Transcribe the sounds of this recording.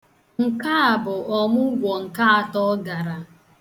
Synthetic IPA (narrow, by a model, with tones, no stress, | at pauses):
ŋ̩˨ka˦a˨bʊ˨ʔɔ˨mʊ˦ɡʷɔ˨ŋ̩˨ka˦a˨tɔ˦ɡa˨ɾa˨